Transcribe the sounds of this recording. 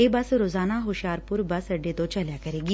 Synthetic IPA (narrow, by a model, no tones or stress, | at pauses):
eːbɐsɾoːzaːnaɦoʃjaːɾpʊɾbɐsɐɖet̪ot͡ʃɐljaːkɐɾeːɡiː